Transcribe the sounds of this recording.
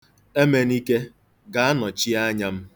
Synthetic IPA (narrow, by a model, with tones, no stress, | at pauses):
e˦me˨ni˦ke˦ | ɡa˨a˦nɔ˨t͡ʃi˦a˦ɲa˦m̩˦